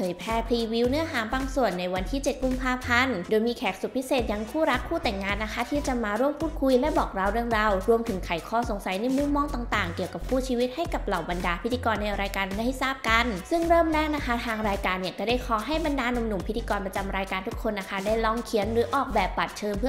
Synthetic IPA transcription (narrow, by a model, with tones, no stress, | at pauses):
pʰɤː˨˦jpʰɛː˥˩pʰliː˧wi˦˥wnɯ˦˥ɐɦaː˩˦baː˧ŋsu˨˩ənːa˧jwa˧nt̪ʰiː˥˩t͡ɕe˨˩t̪̚ku˧˩mpʰaː˧pʰa˧ndoː˧jmiː˧kʰɛː˨˩k̚su˨˩pʰi˦˥seː˨˩t̪̚ja˧ŋkʰuː˥˩ɾa˦˥kʰːuː˥˩t̪ɛ˨˩ŋːaː˧nːa˦˥kʰa˦˥t̪ʰiː˥˩t͡ɕa˨maː˧ɾu˥˩əmpʰuː˥˩kʰu˧jlɛ˧˦˥bɔː˨˩k̚ɾa˧wɾɯ˥˩əŋɾa˧wɾu˧əmt̪ʰɯ˩˦ŋkʰa˨˩jkʰɔː˥˩so˨˩˦ŋsa˨˦jna˧˥˩mu˧˥mːɔː˧˥ŋt̪aː˨˩ŋt̪aː˨˩ŋki˨˩əwka˨˩p̚kʰuː˥˩t͡ɕʰiː˧wi˦˥t̪̚ha˥˩jka˨˩p̚la˨˩wba˧ndaː˧pʰi˦t̪ʰːiː˧kɔː˧nːa˧jɾaː˧jkaː˧nma˥˩jha˥˩jsaː˥˩p̚ka˧nsɯ˥˩ŋɾɤː˥˩mɾɛː˥˩ŋna˦˥kʰa˦˥t̪ʰaː˧ŋɾaː˧jkaː˧nːi˥˩ka˨˩daː˥˩jkʰɔː˨˦ɦa˥˩jba˧ndaː˧no˧mnu˨˩mpʰi˦t̪ʰːiː˧kɔː˧npɾa˧t͡ɕa˧mɾaː˧jkaː˧nt̪ʰu˦˥kʰːo˧nːa˦˥kʰa˦˥daː˥˩jlɔː˧ŋkʰi˨˦ənɾɯː˩˦ʔɔː˨˩k̚bɛː˨˩p̚ba˨˩t̪̚t͡ɕʰɤː˧mpʰɯ˥˩